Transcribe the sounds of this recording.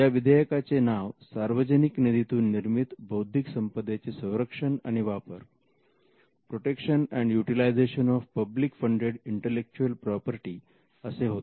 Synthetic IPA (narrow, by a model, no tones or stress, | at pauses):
jaʋid̪ʱəjəkat͡senaʋsaɾʋəd͡ʑəniknid̪it̪uːnːiɾmit̪bʱəwd̪ʱiksəmpəd̪et͡sesə̃w̃ɾəkʂəna̰ɽ̃iʋapəɾ | pɾoʈekʂənɛɳɖjuʈilajd͡zeɕənɔfpəblikfəɳɖeɽiɳʈelek̚t͡ɕuəlpɾɔpəɾʈi | əseɦot̪e